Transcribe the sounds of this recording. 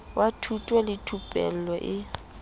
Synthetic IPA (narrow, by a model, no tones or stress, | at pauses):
wʔatʰutʼwɛlɪtʰupʼɛ̰l̩lɔʔɪ